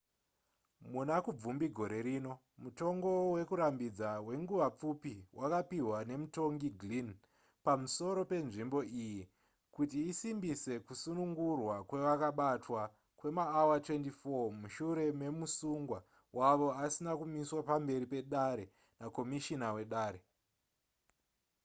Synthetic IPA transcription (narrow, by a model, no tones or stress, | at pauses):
munakub͡vumbiɡʱo̞ɾe̞ɾiːno̞ | muto̞ŋɡo̞we̞kuɾambid͡zawe̞ŋɡuʋap͡fupiwʔakapiɦwane̞muto̞ŋɡiɡʱlin | pamuso̞ɾo̞pe̞nʐimbo̞iji | kutiːsimbise̞kusunuŋɡurwakwe̞ʋakaɓatwa | kwe̞maːwatwe̞ntifomuʃuɾe̞me̞musuŋɡwa | wʔaʋo̞asinakumiswapambe̞ɾipe̞ɗaɾe̞ | nako̞miʃinawe̞ɗaːɾe